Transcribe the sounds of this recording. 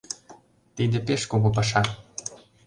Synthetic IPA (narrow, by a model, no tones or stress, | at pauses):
t̪id̪ĕpeʃkoɣop̬ɑʃɑ